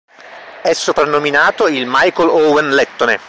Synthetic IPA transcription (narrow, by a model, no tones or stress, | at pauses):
ɛsːopɾanːominaːt̪oilmajkolowenlɛt̪ːonḛ